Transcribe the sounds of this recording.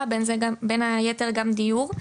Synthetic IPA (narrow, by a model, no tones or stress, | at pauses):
abenzeɡabenajeteʁɡamd̪ijuʁ